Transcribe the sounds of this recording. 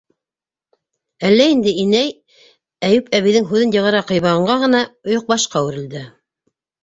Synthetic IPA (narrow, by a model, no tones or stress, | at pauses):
ælːæind̪ɘinæj | æjʉpæβiðɘŋɦʉðɘnjɤ̆ʁɤ̆ɾɑqɤ̆jβɑʁɤ̆ɴɢɑʁɤ̆nɑŏjoq̚bɑʃqɑwɘ̆ɾɘ̆ld̪ɘ